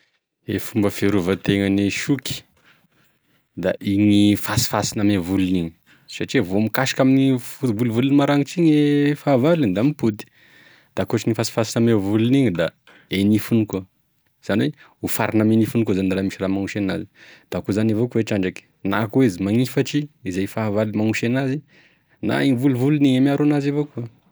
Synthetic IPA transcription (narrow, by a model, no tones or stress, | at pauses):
efumbəfeɾuvət̪eŋəniʃuki̥ | d̪aʔiɲifasi̥fasinamevuluniɲi̥ | saʈ͡ʂivomikaʃi̥kaminifut̪bulivulunimaɾaŋit͡siɲefavalind̪amiput̪i̥ | d̪̥aakuʈ͡ʂiŋifasi̥fasinamevuluniɲid̪a | enifunikuə | z̥aniwe | ufaɾinamenifunikuzanraːmiʃiramaŋuʃenazi̥d̪̥akuzanivokuweʈ͡ʂaɳɖ͡ʐaki̥na̰kuwezimaɲifaʈ͡ʂiːzajfavalimaŋuʃenazi | na̰iɲvulivuluniɲamiaɾonazavokuə